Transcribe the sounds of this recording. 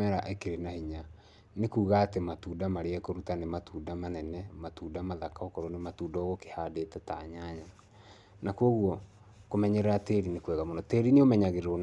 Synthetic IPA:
ɛɾaʔekeɾenahiɲa | nekuːɣaːtematudamaɾeɛkoɾutanematuːdamanɛnɛmatuːdamaðakaokɔɾɔnematuːdɔɣoke̥hadetɛtaɲaɲa | nakwoɣwɔ | komɛɲeɾɛɾateːɾinekwɛɣamonɔteːɾineomɛɲaɣeɾeɾon

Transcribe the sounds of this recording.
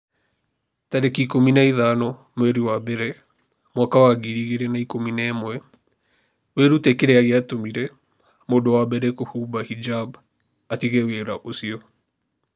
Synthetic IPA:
taɾekikominaiðanɔ | mwɛɾiwabɛɾɛ | mwakawaɡiɾiɣeɾɛnaikominɛmwɛ | weɾutekeɾɛaɣeatomiɾɛ | moːdowabɛɾɛkohubahid͡ʒab | atiɣɛweɾaʔosiɔ

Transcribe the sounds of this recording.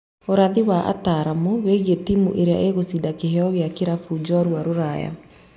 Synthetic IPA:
oɾaðiwaʔa̰taɾamoweɣietimṵʔeɾea̰ʔeɣosidakeɦeɔɣeakiɾafuːd͡ʒɔɾwaɾoɾaja̰

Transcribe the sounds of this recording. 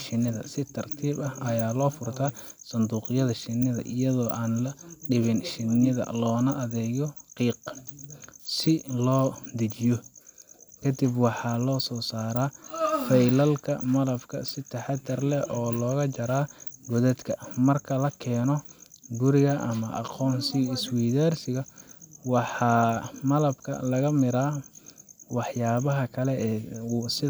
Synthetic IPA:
ʃɪnːɪðɐ̰sɪt̪ʰɐrt̪ʰiːbɐhɐjaːlɔːfʊrt̪ʰaːsɐnd̪uːqɪjɐðɐʃɪnɪðɐ̰ʔɪjɐðɔːʔaːnlɐɖɪβɪnʃɪnːɪðɐ̰lɔːnɐʔɐðɛːɣɔqiːq | sɪlɔːd̪ɐt͡ʃɪjɔ | kʰɐd̪ibwɑħɑːlɔːsɔːsaːɾaːfɛjlɐlkʰɐ̰mɐlɐbkʰɐ̰sɪt̪ʰɐħɑt̪ʰːɐrlɛʔɔːlɔːɣɐt͡ʃɐɾaːɡɔðɐd̪kʰɐmɐrkʰɐlɐkʰɛːnɔɡʊɾɪɣɐʔɐmɐʔɑ̰qɔːnsɪɪswiːðaːrsɪɣɐwɑħɑːmɐlɐbkʰɐ̰lɐɣɐmɪɾaː | wɑħjaːβɐɦɐkʰɐlɛɛːsɪ

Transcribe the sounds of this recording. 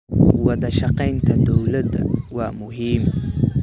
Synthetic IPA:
wɑðɐʃɑqɛjnt̪ʰɐd̪ɔwlɐd̪ɐ̰wɑːmʊɦiːm

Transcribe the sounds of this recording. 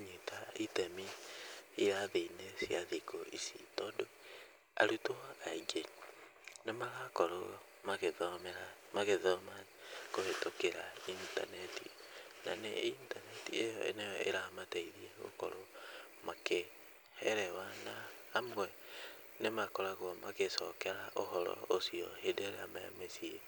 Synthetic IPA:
ɲetaitɛmi | iɾaðeinesiaðikoisḭtɔːndo | a̰ɾutoaid͡ʒeɲ | nemaɣakoɾo | maɣemɛɾa | maɣeðɔmakohetokeɾainta̰nɛtḭnanḛintanɛtiejɔḛneɔḛɾamataiðieɣo̰ko̰ɾo | make | hɛɾɛwanaː | mwɛ | nemakɔɾaɣwɔmakesɔkɛɾaʔohɔɾɔ̰osiɔ̰hedeoɾeamaa̰mesie

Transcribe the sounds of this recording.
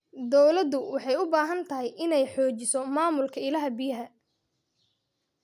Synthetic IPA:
d̪ɔwlɐd̪ʊwɑħɑjʊbaːɦɐnt̪ʰɐɦɛjʔɪnɛjħɔːt͡ʃɪsɔmaːmʊlkʰɐɪlɐɦɐbɪjɐɦɐ

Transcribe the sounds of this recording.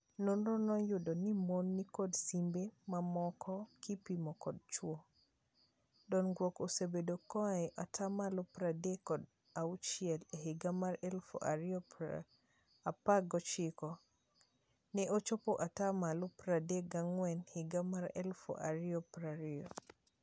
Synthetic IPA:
nonɾɔnɔjʊdonimonːikɔdsimbemamɔkʰɔkipimɔkɔd̚t͡ʃwo | dɔnɡwɔkosebedokɔajʔatʰamalɔpɾadekɔd | aut͡ʃiɛleɦiɡamaɾɛlfo̰ʔa̰ɾiɔ̰ | apaɡɔt͡ʃikɔ | nɛʔot͡ʃopoʔatamalɔpɾadeɡaŋwɛnhɪɡamaɾɛ̰lfo̰ʔaɾiɔpɾaɾiɔ

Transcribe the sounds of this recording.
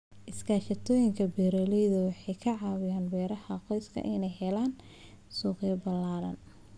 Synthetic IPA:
ʔɪskʰaːʃɐt̪ʰɔːjɪŋkʰɐbɛɾɐlɛjðɐwɑħɑjkʰɐʕɑːwɪjaːnbɛːɾɐhɐqɔjskʰɐ̰ʔɪnɛjhɛlaːn | suːqɪjɐbɐlaːlɐ̰n

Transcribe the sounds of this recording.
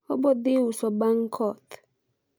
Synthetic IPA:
ɔbɔd̪ɪwusɔbaŋkʰɔt

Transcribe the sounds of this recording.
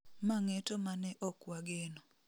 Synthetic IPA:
maŋetomanɛʔɔkwaɡenɔ

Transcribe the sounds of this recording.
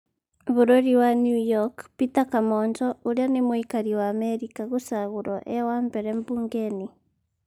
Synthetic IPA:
βuɾoɾiwanjujɔkpitakamɔnd͡ʒɔuɾjanimwikaɾiwaːmɛɾikaɣusaɣuɾɔʔɛwaːmbɛɾɛmbuːŋɡeni

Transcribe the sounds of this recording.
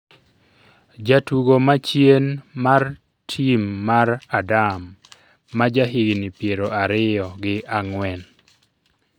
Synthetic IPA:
d͡ʒatuɡomat͡ʃjenmar | tʰimːaɾadamː | ad͡ʒaɦiɡnipjeɾoaɾɪjɔɡɪʔaŋwɛn

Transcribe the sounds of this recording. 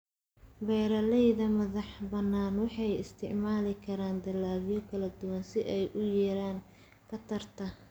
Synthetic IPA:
bɛjɾɐlɛjðɐmɐðɑħbɐnːaːnwɑħɑjɪst̪ʰɪʕmaːlɪkʰɐɾaːnd̪ɐlːaːβɪjɔkʰɐlɐd̪ʊwɐnsɪʔɛjʔʊjɛːɾaːŋ | kʰɐt̪ʰɐrt̪ʰɐ

